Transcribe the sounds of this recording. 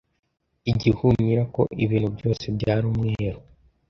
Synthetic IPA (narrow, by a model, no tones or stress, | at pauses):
iɟihuɲɲiɾako̞̰ʔiβiːn̥hubɟo̞ːse̞bɟaːɾumŋeːɾo